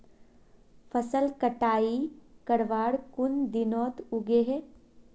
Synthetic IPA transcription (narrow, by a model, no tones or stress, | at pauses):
fʰəsəlkəʈaːikɐɽʋaːɽkʊnd̪ɪnɔːt̪ʊɡeɦɛː